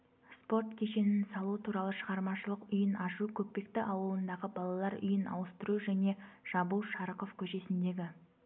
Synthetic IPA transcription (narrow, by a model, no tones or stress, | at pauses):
spo̞rt̪kʲʰe̞ʃe̞nɪnsɑlˠut̪ʰuɾɑlˠəʃəʁɑɾmɑʃəlˠəqʏjənʔɑʒukʲʰɵk̚pe̞k̚t̪ɪʔɑwəlˠənd̪ɑʁəbɑlˠɑlˠɑɾʏ̰jənɑ̰wəst̪əɾuʒæne̞ʒ̥ɑbulˠʃɑɾəqo̞fkʲʰɵʃe̞sɪnd̪e̞ɡʲɪ